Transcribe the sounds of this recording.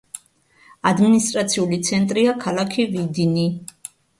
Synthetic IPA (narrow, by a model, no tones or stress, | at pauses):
ad̪minist̪ʼɾat̪sʰiulit̪sʰɛnt̪ʼɾiakʰalakʰivid̪ini